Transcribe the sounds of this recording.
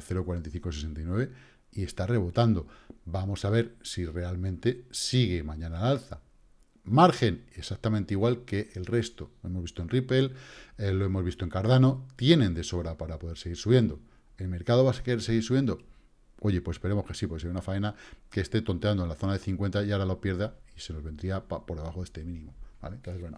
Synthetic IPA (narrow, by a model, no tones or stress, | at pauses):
θe̞ɾokwaɾent̪aijθiŋkosese̞nt̪ajnwe̞βe̞ | ie̞st̪are̞βo̞t̪and̪o̞bamo̞saβe̞ɾsire̞almẽnt̪e̞siɣ̞e̞mãɲãnalalθa | maɾxe̞nesak̚t̪amẽnt̪eiɣwalkeʔːlre̞st̪o̞loe̞mozβist̪oenripe̞lelo̞e̞mo̞zβist̪oe̞ŋkaɾð̞ano̞t̪je̞nẽ̞nd̪e̞so̞βɾapaɾapo̞ðe̞ɾseɣiɾsuβje̞nd̪o̞ | e̞lme̞ɾkaðo̞βaskeese̞ɣ̞iɾsuβje̞nd̪o̞ | o̞ʝe̞pwse̥pe̞ɾe̞moske̞sipokes̬ejunafaenakest̪e̞t̪o̞nt̪eand̪onlaθo̞naðe̞θiŋkwe̞nt̪ajaɾalopje̞ɾðaise̞no̞zβnd̪ɾiapapo̞ɾðe̞βaxo̞ðest̪emĩnĩmoba̰lent̪oθezweno